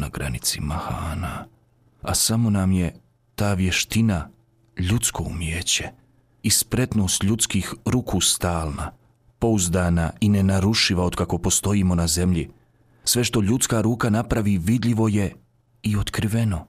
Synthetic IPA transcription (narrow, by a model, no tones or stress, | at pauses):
naɡɾa̰nit̪simahaːna | a̰samo̞namje̞ | t̪aːʋje̞ʃt̪ina | ʎut̪sko̞ṵmjeːt͡ɕe̥ | ispɾe̞t̪no̞ːst̪ʎut̪skiːxɾukʰuːst̪aːlˠna | po̞uzd̪aːnaine̞naɾuʃiʋaod̪kako̞po̞st̪o̞iːmo̞naze̞mʎi | sʋe̞ʃt̪o̞ʎut̪skaːɾuːkanapɾaʋiːʋid̪ʎiʋo̞je̞ | io̞t̪kɾiʋe̞no̞